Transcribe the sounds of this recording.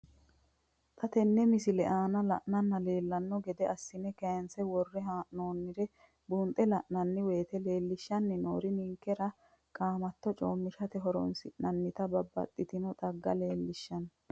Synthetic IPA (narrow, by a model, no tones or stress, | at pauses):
t̪ʰɐt̪ɛnːɛmɪsɪlɛʔaːnɐlɐʔnɐnːɐle̞ːlːɐnːɔɡɛd̪ɛɐsːɪnɛkɐjɐnsɛwɔrːɛɦaːʔnoːnːɪɾɛ | bunt̪ʼɛlɐʔnɐnːɪwe̞ːt̪ɛle̞ːlːɪʃːɐnːɪnoːɾɪnɪŋkːɛɾɐ | kʼaːmɐt̪ːɔt͡ʃʼoːmːɪʃɐt̪ɛɦɔɾɔ̰nsɪʔnɐnːɪt̪ɐbɐbːɐ̰t̪ʼːɪt̪ɪnɔt̪ɐɡːɐle̞ːlːɪʃːɐn